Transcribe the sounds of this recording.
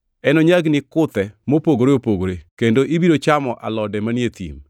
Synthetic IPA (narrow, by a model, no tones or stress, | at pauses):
ɛnɔɲaɡnɪkʊt̪ɛmopoɡoɾeopoɡoɾekendoʔibiɾot͡ʃamɔʔa̰lɔdɛmanjet̪ḭm